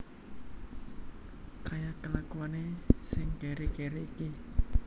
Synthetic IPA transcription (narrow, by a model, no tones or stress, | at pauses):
kajakəlakuwanesɪŋɡɛɾeɡeɾeiki